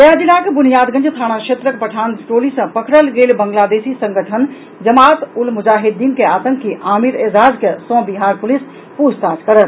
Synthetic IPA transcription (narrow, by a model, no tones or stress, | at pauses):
əjad͡ʒilakebunijaːd̪ɡə̃nd͡ʒt̪ʰaːñakʃet̪ɾəkpəʈʰansʈoːlisə̃pəkʰɽəlɡelbəŋɡlad̪esisə̃ŋɡəʈʰən | d͡ʒəmaːt̪ulmud͡ʒaːɦid̪ːiːnkeat̪ə̃ŋkːiʔaːmiɾeːzaːd͡ʒkesɔ̃biɦaɾpulis | pud͡ʒt̪ad͡ʒkəɾət̪